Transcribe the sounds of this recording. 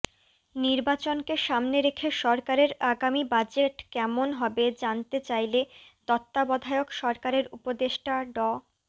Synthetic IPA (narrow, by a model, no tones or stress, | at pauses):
niɾbat͡ɕonkeʃamneɾekʰeʃɔɾkaɾeɾaɡamibad͡ʑeʈkɛmonɦɔbed͡ʑant̪et͡ɕajlet̪ɔt̪ːabɔd̪ʱaeokʃɔɾkaɾeɾupod̪eʃʈaɖɔ